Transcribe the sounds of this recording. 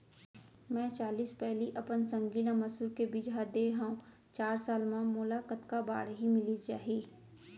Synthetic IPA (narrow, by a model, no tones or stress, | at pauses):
mɛ̃ːt͡ʃaːliːspɛɦliʔɐpənsə̃ŋɡiːlãməsuːɾkebɪd͡ʒad̪eɦãũ | t͡ʃaːɾsaːlmãmoːlakət̪kaba̰ːɽɦimɪlid͡ʒa̰ːɦiː